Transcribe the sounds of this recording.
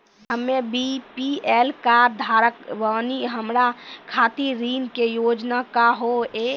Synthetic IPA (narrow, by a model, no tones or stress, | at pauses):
ɦəmːebipielkaːɾd̪ʱaːɾəkʋaːniɦəmɾakʰat̪iɾinkejod͡ʒnakaɦoe